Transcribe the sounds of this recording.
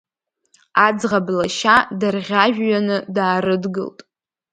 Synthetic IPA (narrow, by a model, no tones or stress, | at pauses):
ad͡zʁablaʃadarʁʲaʒᶣɥanɨdaːɾɨdɡɨ̰ltʼ